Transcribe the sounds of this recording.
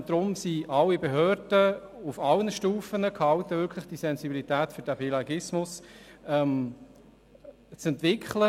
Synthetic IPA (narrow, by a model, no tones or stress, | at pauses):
d̥ɾʊmsiʔɑlːibeɦøːɾd̥əufɑlənəʃtuːfənəkʰhɑwtəvʏɾkʰlɪχd̥isɛnsibilit̪æːtfʏɾd̥æpilɑɡɪsmʊsɛm | t͡sɛnt̪ʋɪkʰχlə